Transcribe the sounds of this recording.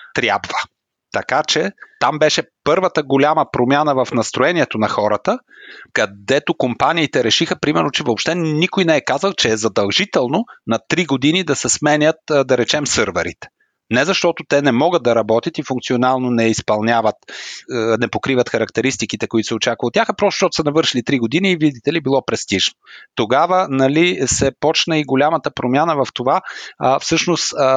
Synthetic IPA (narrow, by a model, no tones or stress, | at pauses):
t̪ɾʲja̰bvə | t̪ɐkat͡ʃɛt̪ambɛʃɛpɤɾvət̪əɡolʲaməpɾomʲjanəvɐfnɐst̪ɾoɛniɛt̪onɐxɔɾət̪əkɐd̪ɛt̪okompaniːt̪ɛɾɛʃixəpɾimɛɾnot͡ʃɛvoːpʃt̪ɛnikojnɛɛkazəlˠt͡ʃɛːzɐd̪ɐlˠʒit̪ɛlˠnonɐt̪ːɾiɡod̪inid̪ɐsɛsmɛnʲət̪d̪ɐɾɛt͡ʃɛmsɤɾvɛɾḭt̪ɛ̥ | nɛzɐʃt̪ɔt̪ot̪ɛnɛmɔɡəd̪̚d̪ɐɾɐbɔt̪ʲɐt̪ifʊ̃ŋkt̪sionalˠnonɛispɐlˠnʲavət̪ | nɛpokɾivɐt̪xɐɾɐk̚t̪ɛɾist̪ikit̪ɛkoit̪ʊ̥sɛott͡ʃakvəot̪ːʲaxɐpɾɔst̪oʃt̪ɔt̪ʊ̥səɛnɐvɤɾʃilit̪ɾiɡod̪iniːvid̪it̪ɛlibilˠɔpɾɛst̪iʒnot̪oɡavənɐlisɛpɔt͡ʃnəiɡolʲamət̪əpɾomʲjanəvɐft̪ovafsɤʃnost̪